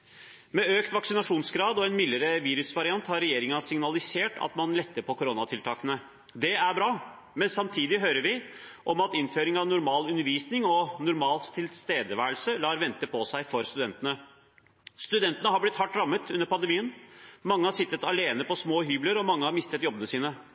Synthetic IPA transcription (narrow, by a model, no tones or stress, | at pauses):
mɛøːkt̪ʋɑksɪnɑʂuːnsɡɾɑːd̪ɔɛnmɪləɾəʋiːɾʉsʋɑɾɪɑnt̪hɑɾɛjeːɾɪŋɑsɪŋnɑlɪseːʈʰɑ̰t̪mɑnlɛt̪ːəɾpʰɔkʊɾonɑt̪ʰɪlt̪ʰɑːkənə | d̪ɛæɾbɾɑː | mɛnsɑmt̪ʰiːd̪ɪɦøːɾəɾʋɪʔɔmɑt̪ɪnføːɾɪŋɑʋnʊɾmɑːlʉnːəɾʋiːsnɪŋɔnʊɾmɑːlt̪ʰːɪlst̪eːd̪əʋæːəlsəlɑːɾʋɛnt̪əpʰɔsæɪfɔɾst̪ʉd̪ɛnt̪ənə | st̪ʉd̪ɛnt̪ənəɦɑblɪt̪hɑʈːɾɑmːət̪ʰʉnːəɾpɑnd̪əɛmiːənmɑŋːəhɑɾʂɪt̪ːət̪ɑleːnəpɔsmoːɦyːbləɾɔmɑŋːəhɑɾmɪst̪ət̪jɔbːənəsiːnə